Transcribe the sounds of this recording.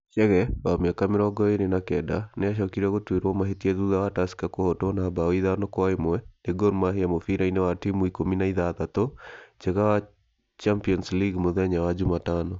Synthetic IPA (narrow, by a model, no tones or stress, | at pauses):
ʃɛɣɛwamiakamɪɾɔɡɔenenakɛda̰neaʃɔkiɾaɣotweɾwɔmaɦetiɛðuðawataskakohɔtonabaiðanɔkwaemɛneɡoɾmaɦejamofiɾainewatimuikominaiðatat̪ot͡ʃɛɣawa | t͡ʃampiɔnsliɡmoðɛɲawad͡ʒumatanɔ